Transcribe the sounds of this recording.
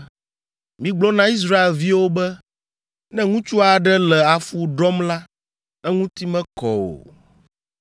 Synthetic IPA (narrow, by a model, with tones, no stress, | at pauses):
mĩ˨ɡ͡blɔ˦nã˨i˦s̬ɾa˦e˨lvi˦wo˦bɛ˦ | nɛ̃˦ŋũ˦t͡ʃu˦a˨ɖɛ˦lɛ˨a˨fu˦ɖɔ˦mla˦ | ɛ˦ŋũ˦t̪i˦mɛ̃˦kɔ̰˨o̰˨